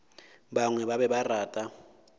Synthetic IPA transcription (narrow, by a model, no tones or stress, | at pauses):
ɓaŋwɛɓaɓɛɓaraːtʼa